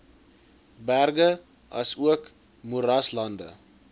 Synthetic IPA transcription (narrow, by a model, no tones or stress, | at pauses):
bærɡə | ʔɐ̰suək | muɾɐslɐndə̰